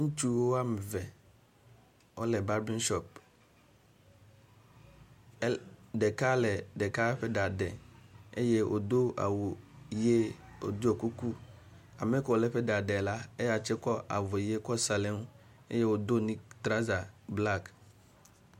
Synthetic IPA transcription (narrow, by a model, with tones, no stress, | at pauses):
ŋ̩˦t͡ʃu˦wo˦a˦m˨vɛ˨ | ɔ˦lɛ˨ba˦ɾbĩ˦n˦ʃɔ˦p̚ | dɛ˨ka˦lɛ˨dɛ˨ka˦ɸɛ˦da˨dɛ˨e˦je˦ʔo̰˨d̪o˦a̰˨wo˨je˦o˨d̪o˦ɔ˨ku˦ku˦ | a˨mɛ˦kɔ˨ɔ˨lɛ˦ɸɛ˦da˨dɛ˨la˦e˦ja˨t͡ʃɛ˦kɔ˦ʔa̰˨vɔ˨je˦kɔ˦sa˨le˦m˦ | ḛ˦je˦wo˨d̪o˦nĩ˦t̪ɾa˦za˨bla˦˨k